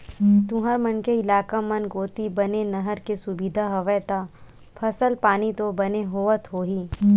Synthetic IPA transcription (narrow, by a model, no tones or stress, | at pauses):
t̪ʊ̃ɦəɾmɐnkeɪlaːkamɐnɡoːt̪ibɐnenɐɦəɾkesʊbid̪ʱaɦɐʋəjt̪a | pʰɐsəlpaːnit̪obɐneɦoːʋət̪ɦoːɦiː